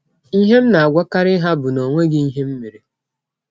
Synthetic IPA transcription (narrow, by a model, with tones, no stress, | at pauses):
i˦ɦe˦m̩˦na˨a˨ɡʷa˦ka˦ɾɪ˦ɦa˦bʊ˨no˨ŋʷe˦ɡɪ˦i˦ɦe˦m̩˦mi˨ɾi˨